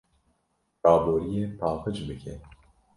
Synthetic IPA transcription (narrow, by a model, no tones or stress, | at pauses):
ɑːboːɾijeːpʰɑːlpɨd͡ʒbɨkʰɛ